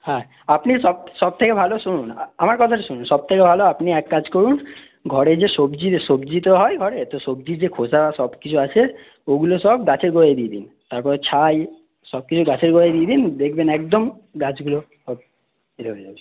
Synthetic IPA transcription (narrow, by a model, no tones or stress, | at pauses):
hɛ̃ | apniʃɔb̚ʃɔb̚t̪ʰekebʱaloʃununamaɾkɔt̪ʰaʈaʃununʃɔb̚t̪ʰekebʱaloapniɛkːad͡ʑkoɾun | ɡʱɔɽeɾd͡ʑeʃobd͡ʑiɾʃobd͡ʑit̪oɦɔeɡʱɔɾeet̪oʃob̚d͡ʑiɾd͡ʑekʰosabaʃɔbkit͡ɕʰuat͡ɕʰe | oɡuloʃɔbɡat͡ɕʰeɾɡoɾed̪ied̪ḭn | t̪aɾpɔɾet͡ɕʰaj | ʃɔb̚kit͡ɕʰuɡat͡ɕʰeɾɡoɾejd̪ied̪ind̪ekʰbenɛkd̪om | ɡad͡ʑʰɡulo | ʃɔb̚ | eɾɦoed͡ʑabe